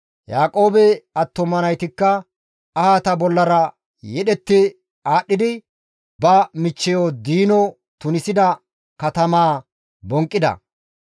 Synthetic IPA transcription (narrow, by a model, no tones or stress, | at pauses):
jaːkʼoːbɛɐt̪ːɔmɐnɐjt̪ɪkːɐ | ɐhaːt̪ɐbɔlːɐɾɐ | jɛɗɛt̪ːɪ | aːɗːɪd̪ɪ | bɐmɪt͡ʃːɛjod̪iːnɔ | t̪ʊnɪsɪd̪ɐ | kɐt̪ɐmaː | bɔŋkʼːɪd̪ɐ̰